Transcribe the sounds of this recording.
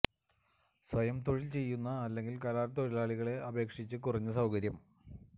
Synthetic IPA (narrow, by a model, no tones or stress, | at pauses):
sʋɐjɐmt̪oɻilt͡ɕe̞jːunːɐːlːe̞ŋɡilkɐɾaːɾt̪oɻilaːɭiɣɐɭe̞ɐbʱe̞ːkʂit͡ɕːɨkurɐɲːɨsɐwkɐɾjɐm